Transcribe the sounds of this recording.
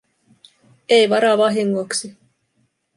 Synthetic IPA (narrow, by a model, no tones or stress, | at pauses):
ejʋɑɾɑʋɑɦiŋːoksi